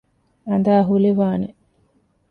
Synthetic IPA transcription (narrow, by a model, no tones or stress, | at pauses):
ɐnd̪aːɦuliʋaːne